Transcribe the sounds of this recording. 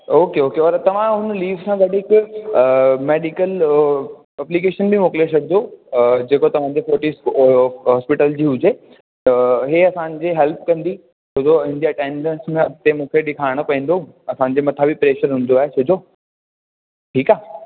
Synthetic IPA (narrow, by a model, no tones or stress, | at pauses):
oːkeoːkeɔːɾt̪ɐʋ̤ãɦʊnliːʋsãɡɐɖɦɪkː | meːɖɪkəl | ɐplik̬eːʃənbʱimoːkɪlesɐɡʱnod͡ʑeːkot̪ɐʋ̤ãːɲd͡ʑefoːʈisɦɔːspɪʈəld͡ʑiːɦʊd͡ʑe | ɦeɐsãd͡ʑeɦɛlp̚kɐ̃nd̪i | t͡ɕʰɐd͡ʑoɦɪ̃nd̪iɐʈẽːnɖə̃nsmẽt̪emũːkʰeɗɪkʰaːɪɽ̃ʊpɐ̃ĩnd̪oũ | ɐsãːɲ̆d͡ʑemɐt̪ʰabipɾeːʃəɾɦʊ̃ːnd̪oaːɦet͡ɕʰɐd͡ʑoː | ʈʰiːkaː